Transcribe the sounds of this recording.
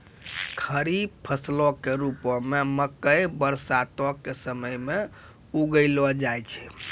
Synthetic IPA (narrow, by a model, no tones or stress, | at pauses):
kʰəɾibpʰəslɔkeɾupɔmeməkəjbəɾsat̪ɔkːesəməjme | uɡəɪlɔd͡ʒajt͡ʃʰɛ̥